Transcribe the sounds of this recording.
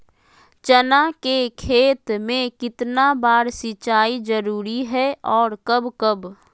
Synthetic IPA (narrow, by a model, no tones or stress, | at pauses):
t͡ʃənakekʰeːt̪mẽkɪt̪nabaːɾsɪt͡ʃaːid͡ʒəɾuːɾiɦɛɔːɾkəbkəb